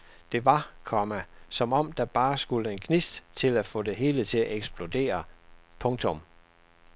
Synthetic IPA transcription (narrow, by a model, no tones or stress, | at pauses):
d̥e̝ʋɑ̈kʰɒmæsɒ̽mɒ̽m̰d̥ɑ̈b̥ɑ̈ːsɡ̥uləe̝nkʰnisd̥t͡sʰe̝læfɔ̰̽ːd̥e̝ɦe̝ːlət͡sʰe̝æʔeɡ̥sb̥lo̝d̥e̝̰ːɐpʰɔ̽ŋt͡sʰɔ̽m